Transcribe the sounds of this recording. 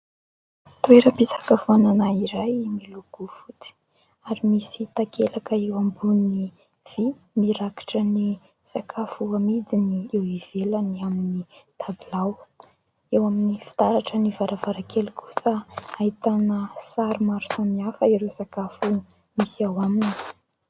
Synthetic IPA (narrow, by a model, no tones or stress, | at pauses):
t̪ueɾəpisḁkafuananaiɾajmiluɡ̥ufut͡si̥ | aɾimisit̪akʰelakəewambuni | v̥i | miɾaki̥ʈ͡ʂəni | z̥akʰafuamid̪iniewiv̥elaniaminit̪ʰabilaw | ewaminifi̥t̪aɾaʈ͡ʂənivaɾavaɾakʰelikʰu̥səait̪anəsaɾumaɾu̥samiafəiɾewzakafu | misiawamini̥